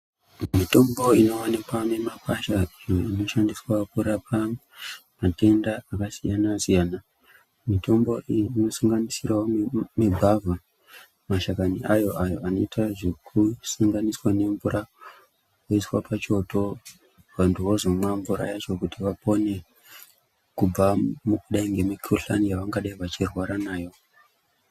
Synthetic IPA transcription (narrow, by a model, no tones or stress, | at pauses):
mito̞mbo̞ino̞anikwane̞mapaʃaijoino̞ʃandiswakuɾapʰa | mate̞ndaːkasijanasijaːna | mito̞mbo̞ʔiːno̞saŋɡanisirawomebʱavʱa | maʃakaniajo̞ʔajo̞ʔano̞itʰaʐe̞kʰusaŋɡaniswane̞mvuɾa | koiswapʰat͡ʃo̞to̞ | ʋantuozomamvuɾa̰jat͡ʃo̞kutiʋapo̞ne̞ | kub͡vamukuɗaiŋɡe̞mikʰuɬanijaʋaŋɡaɗaiʋat͡ʃirwaɾanaːjo̞